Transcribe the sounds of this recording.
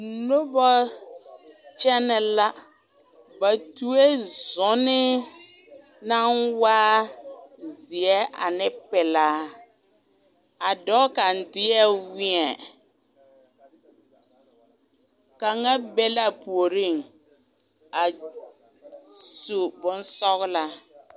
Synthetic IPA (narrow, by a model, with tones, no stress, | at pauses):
lo˦bɔ˦ | t͡ʃɛ˦nɛ˨la˦ | ba˨tu˨e˦zʊ˨˦nɪ˦ | na˦ŋwaː˦ | zɪ˨ɛ˦ʔa˨nɪ˦pɛ˨laː˦ | a˨dɔ˦ka˨n̩˨˦dɪ˦ɛ˦wɪ˦ɛ˨ | ka˨ŋa˦bɛ˦la˦po˨ɾi˦˨ŋ | a˨ | su˨bʊ˦n˦sɔ˦ɣla˨